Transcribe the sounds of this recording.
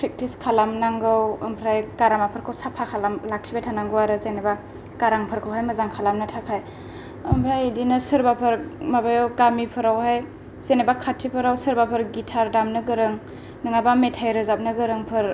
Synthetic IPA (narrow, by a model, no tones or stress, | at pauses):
pʰɾek̚tiskʰalamnaŋɡɯwɐmpʰɾajkaɾamapʰɯɾkʰɯwsapʰakʰalamlak̚sʰibajtʰanaŋɡɯwaɾɯzeneba | kaɾaŋpʰɯɾkʰɯwɦajmɐzaŋkʰalamnɯtʰakʰaj | ɐmpʰɾajdinɯsɯɾbapʰɯɾmabajɔɡamipʰɯɾawhaj | zenebakʰatʰipʰɯɾawsɯɾbapʰɯɾɡitʰaɾdamnɯɡɯɾɯŋ | nɯŋajbametʰajɾɯzap̚nɯɡɯɾɯŋpʰɯɾ